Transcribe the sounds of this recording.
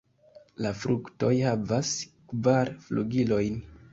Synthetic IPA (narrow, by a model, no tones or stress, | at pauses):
lafɾukto̞jhavaskvaɾflṵɡilo̞jn